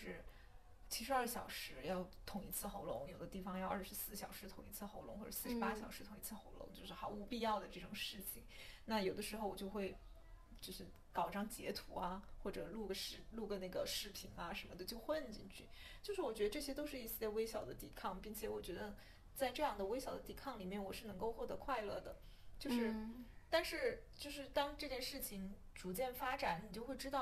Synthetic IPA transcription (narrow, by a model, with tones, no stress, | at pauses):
ʂɻ̩˥˩ | t͡ɕʰi˧˥ʂɻ̩˧˥ɐ˥˩ɕjɑ˨˩ʊʂɻ̩˧˥jɑ˥˩ʊt̪ʰʊ˧˥ŋi˧˥t͡sʰɹ̩˥˩xo˧˥ʊlʊ̰˧˥ŋjo˨˩ʊd̪ə˦t̪i˥˩fɑ˨˧ŋjɑ˥˧ʊʔɐ˞˥˩ʂɻ̩˧˥sɹ̩˥˩ɕjɑ˨˩ʊʂɻ̩˧˥t̪ʰʊ˧˥ŋi˧˥t͡sʰɹ̩˥˩xo˧˥ʊlʊ˧˥ŋxɔ̰˥˩˥s̩˥ʂɻ̩˧˥pa˥ɕjɑ˨˩ʊʂɻ̩ʰ˧˥ʊ˧˥ŋi˧˥t͡s̩ʰ˥˩xo˧˥ʊlʊ̰˧˥ŋt͡ɕjo˥˧ʊʂɻ̩˥˩xɑ˧˥ʊu˧˥pi˥˧jɑ˥˩ʊd̪ə˩ʈ͡ʂɤ˥˩ʈ͡ʂʊ˨˩ŋʂɻ̩˥˩t͡ɕʰi˩ŋna˥˩jo˨˩ʊd̪ə˦ʂɻ̩˧xo˥˧ʊwɔ˨˩t͡ɕjo˥˧ʊxwe˥˩ɪ | t͡ɕjo˥˧ʊʂɻ̩˥˩ | kɑ˨˩ʊʈ͡ʂɑ˥ŋt͡ɕjɛ̰˧˥t̪ʰu˧˥ɐ˧xwɔ˥˩ʈ͡ʂɤ˨˩lu˥˩ɡə˧˩ʂɻ̩˥lu˥˩ɡə˩na˥˩ɡə˩ʂɻ̩˥˩pʰi˧˥ŋɐ˧ʂə˧˥nmə˧o˥˧ʊt͡ɕjo˥˧ʊxwə˥˧nt͡ɕi˥˧ŋt͡ɕʰy̰˥˩t͡ɕjo˥˧ʊʂɻ̩˥˩wɔ˨˩t͡ɕɥ̪ə˧ʈ͡ʂɤ˥˩ɕjɛ˥t̪o˥ʊʂɻ̩˥˧i˥˩ɕjɛ˥we˥ɪɕjɑ˨˩ʊd̪ə̰˦t̪ḭ˨˩kʰɑ˥˧ŋpi˥˩ŋt͡ɕʰjɛ˨˩wɔ˨˩t͡ɕɥɛ˧˥d̪ə˧ | t͡sa˥˧ɪʈ͡ʂɤ˥˧jɑ˥˩ŋd̪ə˩we˥ɪɕjɑ˨˩ʊd̪ə˦t̪i˨˩kʰɑ˥˩ŋli˨˩mjɛ˥˩nwɔ˨˩ʂɻ̩˥˩nɤ˧˥ŋko˥˧ʊxwɔ˥˩t̪ɤ˧˥kʰwa˥˧ɪlɤ˥˩d̪ə˩ | t͡ɕjo˥˧ʊʂɻ̩˥˧t̪a˥˧nʂɻ̩˥˧t͡ɕjo˥˧ʊʂɻ̩˥˩t̪ɑ˥ŋʈ͡ʂɤ˥˧t͡ɕjɛ˥˧nʂɻ̩˥˩t͡ɕʰi˩ŋ | ʈ͡ʂu˧˥t͡ɕjɛ˥˩nfa˥ʈ͡ʂa˨˥˦nni˨˩t͡ɕjo˥˧xwe˥˩ɪʈ͡ʂɻ̩˥t̪ɑ˥˩